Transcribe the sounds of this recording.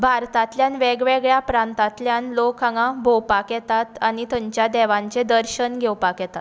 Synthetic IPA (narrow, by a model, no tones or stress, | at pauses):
bʱaɾt̪at̪ljanʋeɡʋeɡɭjapɾãnt̪at̪ljanlokʰaŋɡãbʱowpakjɛt̪at̪añit̪əɲt͡ɕjad̪ɛʋãɲt͡ɕed̪əɾɕənɡʱewpakjɛt̪at̪